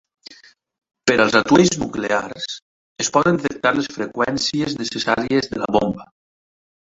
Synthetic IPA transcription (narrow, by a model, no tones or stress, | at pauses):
peɾalˠzat̪wejznukleaɾs | espɔðend̪t̪ek̚t̪aɾlesfɾekwɛnsieznesesaɾiezðəla̰βomba